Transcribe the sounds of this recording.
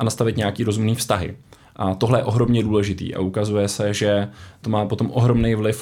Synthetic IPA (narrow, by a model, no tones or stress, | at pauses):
anast̪avɪt̪ɲaakiːɾo̞zumniːfst̪aɦɪ̰ | ʔat̪o̞ɦlɛjɛʔo̞ɦɾo̞mɲɛduːlɛʒɪt̪ḭːʔa̰ʔukazujɛsɛʒɛt̪o̞maːpo̞t̪o̞mʔo̞ɦɾo̞mnejvlɪf